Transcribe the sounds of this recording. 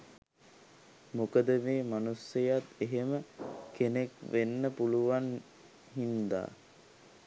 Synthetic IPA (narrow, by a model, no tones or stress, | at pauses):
mukəd̪əmeːmanusjɐjat̪eɦeməkenekʋenːəpuluʋan | hind̪a̰ː